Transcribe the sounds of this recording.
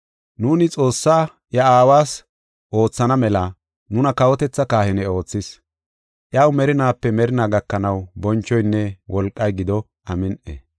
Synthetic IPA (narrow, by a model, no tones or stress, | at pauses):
nuːnɪt͡sʼo̞ːsːaː | jɐaːwaːs | ʔo̞ːt͡sːɐnɐmɛlɐ | nʊnɐkɐwɔt̪ɛt͡sːɐkaːhɪnɛo̞ːt͡sːɪs | ʔjɐwmɛɾɪnaːpːɛmɛɾɪnaːɡɐkːɐnɐwbɔnt͡ʃːɔjnːɛwʔɔlkʼːɐjɡɪd̪ɔ | ʔɐmɪnʔḛ